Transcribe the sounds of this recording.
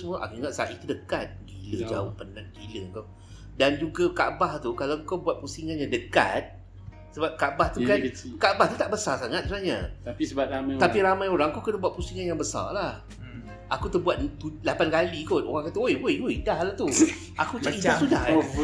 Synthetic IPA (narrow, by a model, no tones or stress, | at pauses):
səmũəʔa̰kiŋat̪saʔit̪udəkat̪̚ɡiləd͡ʒa̰ohpənãŋ̚ɡiləŋka | dand͡ʒuɡakaʔbaht̪ukalaŋkawbuat̪̚pusiŋanjaŋdəka̰t̪̚ | səbap̚kabaht̪ukankabaht̪ut̪aʔbəsarsaŋat̪̚səbənahɲa̰aisəbat̪amat̪apiɾamajoɾaŋkawkənabuat̪̚pusiŋanjaŋbəsa̰rlah | akut̪əbuat̪̚t̪ulapankalikono̰ɾaŋkat̪aojwojojdahlaht̪u | a̰kut͡ʃiasudah